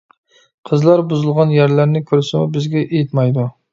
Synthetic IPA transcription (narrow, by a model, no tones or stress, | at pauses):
qʰəzlˠɑɾbuzɨlˠʁɑnjæɾlæɾnɪkʲʰøɾsɪmubɪzɡʲɛʔejɪt̪mɑjd̪u